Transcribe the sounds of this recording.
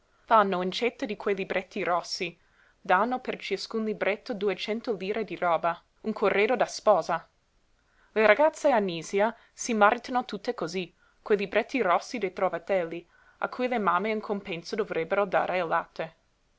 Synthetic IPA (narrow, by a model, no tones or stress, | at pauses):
fanːoint͡ʃɛt̪ːod̪ikwejlibɾʔɛt̪ːiɾɔsːi | d̪anːopert͡ʃiskunlibɾet̪ʰːod̪uet͡ʃɛnt̪oliːɾed̪iɾɔːba | uŋkʰorːeːd̪od̪aspɔːza | leɾaɡat̪sːeanːiːzia | simaɾit̪anot̪ut̪ːekozi | kwejlibɾɛt̪ʰːirɔsːid̪ejt̪ɾovat̪ɛlːi | a̰kʰːujlemameiŋkʰompɛnsod̪ovɾɛbːeɾod̪a̰ːɾela̰t̪ʰːe